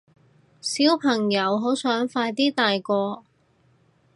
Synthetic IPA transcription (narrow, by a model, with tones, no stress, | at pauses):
siː˨˥wpʰɐ˨˩ŋjɐ˨˧˥wɦo˨˥wsœː˨˥ŋfaː˧jt̪iː˥t̪aː˨jkɔː˧